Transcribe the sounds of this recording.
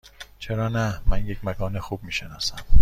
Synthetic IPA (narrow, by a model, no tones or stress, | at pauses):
t͡ʃʰeɾɒːnæmænje̞cʰʲmæɡɒːnexuːb̥̚miːʃenɒːsæm